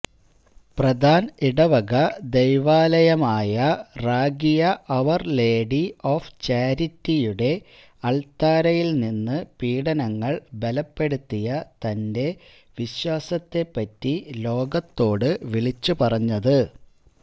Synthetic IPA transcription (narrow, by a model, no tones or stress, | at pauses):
prɐd̪ʱaːniɽɐʋɐɡɐd̪e̞jʋaːlɐjɐmaːjɐraːɡijɐʔɐʋɐrle̞ːɽioːft͡ɕeːɾitːijuɽe̞ | ɐɭt̪aːɾɐjilninːɨpiːɽɐnɐŋːɐɭbe̞lɐpːe̞ɽut̪ːijɐt̪ɐnde̞ | ʋiɕwaːsɐt̪ːe̞pːɐtːilo̞ːɡɐt̪ːo̞ːɽɨʋiɭit͡ɕːupɐrɐɲːɐðɨ